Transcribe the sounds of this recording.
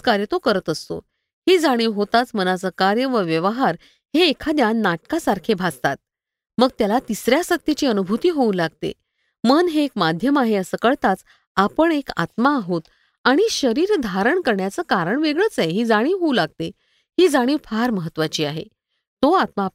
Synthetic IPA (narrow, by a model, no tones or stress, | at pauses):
kaɾjət̪okəɾət̪əst̪o̰ | hiːd͡zaɽ̃iːʋɦot̪at͡smənat͡səkaɾjəʋəʋjəʋəɦaɾ | heːkʰad̪janːaʈkasaɾkʰebʱad͡zt̪at̪̚ | məɡt̪jalat̪isɾjaɕək̚t̪it͡ɕiːənubʱut̪iːɦoulaɡ̚t̪ḛ | mənɦeːkmad̪ʱjəmaɦeəsəkəɭt̪at͡s | apəɳeka̰t̪maːɦot̪ | aɽ̃iɕəɾiːɾd̪ʱaɾəɳkəɾɳjat͡səːkaɾəɳʋeɡɭəːt͡saeɦiːd͡zaɽ̃iːʋɦoulaɡ̚t̪e | hiːd͡zaɽ̃iːʋfaɾməɦət̪ːʋat͡ɕiːaɦḛ | t̪oat̪ma